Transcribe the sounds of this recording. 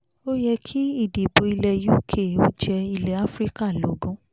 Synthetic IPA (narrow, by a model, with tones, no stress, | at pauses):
o˦jɛ˧kʰi˦i˦˨de˨bo˧i˧lɛ˧ju˦kʰe˦˨o˦d͡ʒɛ˧i˧lɛ˧˦a˦fɾi˦ka˦˨lo˨˦ɡũ˦